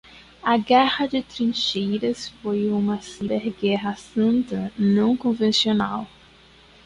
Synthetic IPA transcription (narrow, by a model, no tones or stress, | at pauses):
ɐɡɛhɐd͡ʒɪt̪ɾĩʃejɾɐsfojũmɐsibɛɾɡɛɦɐsɐ̃nt̪ɐnɐ̃w̃kõvẽsionaw